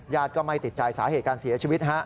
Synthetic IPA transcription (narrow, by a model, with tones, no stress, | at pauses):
jaː˥˩t̪̚kɔː˥˩ma˥˩jt̪i˨˩t̪̚t͡ɕaː˧jsaː˩˦heː˨˩t̪̚kaː˧nsi˨˩˦ɐt͡ɕʰiː˧wi˦˥t̪̚ɦa˦˥ʔ